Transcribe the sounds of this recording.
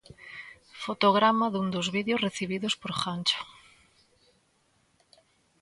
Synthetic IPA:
fot̪oɣɾamaðund̪ozβiðjozreθiβ̞iðospoɾχant͡ʃo̥

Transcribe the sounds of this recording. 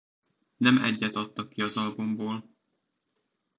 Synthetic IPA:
nɛmɛ̰ɟːɛt̪ɒt̪ːɒkːiɒzɒlbumboːl

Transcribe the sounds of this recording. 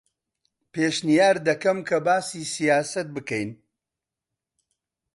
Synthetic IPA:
peːʃnijaːɾd̪ɐkɐmkʰɐbaːsiːsijaːsɐt̪̚bɨkɛjn

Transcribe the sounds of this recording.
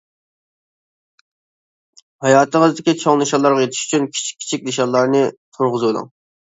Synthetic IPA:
hɑjɑːt̪ʰəŋəzd̪ɪkʲit͡ʃʰoŋlˠɨʃɑlˠɑɾʁɑjet̪ʰɪ̥ʃy̥t͡ʃʰynkʲʰi̥t͡ʃʰi̥kʲʰːi̥t͡ʃʰikʲleʃɑlˠːɑɾnɨt̪ʰoɾʁʊzbolˠɑ̰ŋ

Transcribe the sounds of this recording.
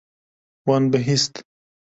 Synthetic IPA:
wanbəɦist̪

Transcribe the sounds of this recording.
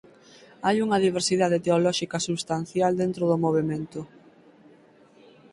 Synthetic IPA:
ajuŋɐðiβ̞eɾsiðað̞et̪eolɔʃikɐsuβst̪an̟θjald̪ent̪ɾoðʊmoβ̞emẽnt̪ʊ

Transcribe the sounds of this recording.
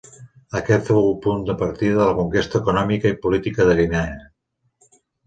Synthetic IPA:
əkɛt̪fowpund̪əpəɾt̪iðəðələkuŋkest̪əːkunɔmikəipulit̪ikəðəɣinɛə

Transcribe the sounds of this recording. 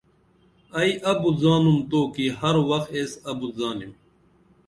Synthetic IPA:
ɐiʔɐbuzaːnumt̪oːkihɐɾwɐxt̪eːsɐbuzaːnim

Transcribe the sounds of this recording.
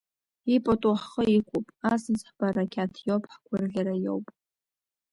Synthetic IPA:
ipʼatʼuħχəikʷʰupʼasɨzħb̥arakʲʰatʰjowpʰʼħkʷʰʊrɮʲaɾajo̰wpʼ

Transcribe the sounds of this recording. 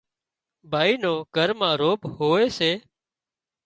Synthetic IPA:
bʱaːiːnoːɡʱəɾmãːɾoːbhoːeːseː

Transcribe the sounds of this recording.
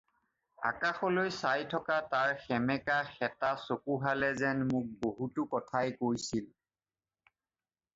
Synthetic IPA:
a̰kaxɔlojsajtʰɔkataɹxɛmɛkaxɛtasokuɦalɛzɛnmʊk̚boɦutʊkɔtʰajkoɹjsil

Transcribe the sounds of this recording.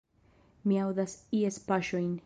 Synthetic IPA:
miawðasiespaʃojn

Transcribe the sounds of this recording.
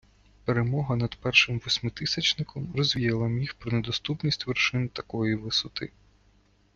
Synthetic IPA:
peɾemɔɦɐnɐd̪̥pɛrʃɪmʋɔsʲmɪt̪ɪsʲɐt͡ʃnɪkʰɔmrɔzʲʋʲijɐlˠɐmʲixpɾɔned̪ɔst̪upnʲisʲtʲʋerʃɪnt̪ɐkɔjiʋɪsʊt̪ɪ̰

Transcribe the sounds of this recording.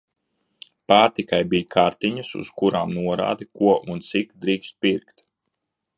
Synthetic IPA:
paːɾt̪ikajbiːjkʰaɾt̪iɲəsṵskuɾaːmnuɔɾa̰ːd̪ikuɔʔunt̪sikd̪ɾiːkst̪̚piɾkt̪

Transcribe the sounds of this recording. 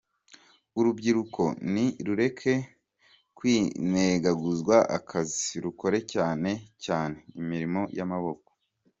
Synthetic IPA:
uɾubɟiɾuko̞niɾuɾe̞kʰe̞ | kwiːneɡaɡuzɡwaʔa̰kʰazi̥ɾuko̞ɾe̞caːne̞caːne̞imiɾimo̞jamaβo̞ko̥

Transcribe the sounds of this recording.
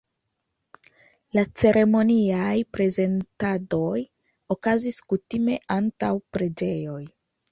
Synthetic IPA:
lat͡se̞ɾe̞mo̞niajpɾe̞ze̞ntado̞j | o̞kaziskutime̞ʔantawpɾe̞d͡ʒe̞jo̞j

